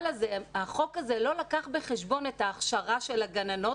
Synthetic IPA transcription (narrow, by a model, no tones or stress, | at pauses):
lazeaχo̞kazelo̞lakaχbeχeʃbo̞ne̞taːχʃaʁaʃelaɡanano̞